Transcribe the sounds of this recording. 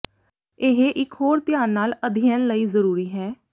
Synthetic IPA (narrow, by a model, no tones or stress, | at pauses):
eɦeʔɪkɦoːɾt̪ɪjaːnːaːləd̪ʱɪjənləiːzəɾuːɾiːɦɛː